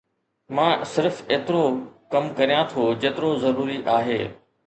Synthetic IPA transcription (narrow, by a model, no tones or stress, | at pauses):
mãːsɪɾfeːt̪ɪɾokɐmkɐɾijãt̪ʰod͡ʑeːt̪ɪɾozɐɾuːɾiʔaːɦeː